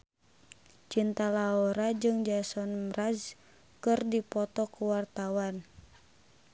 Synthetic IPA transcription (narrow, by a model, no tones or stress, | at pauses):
t͡ʃint̪alaɔɾad͡ʒɨŋd͡ʒasɔnmraz | kɨrdipɔt̪ɔkuwart̪awan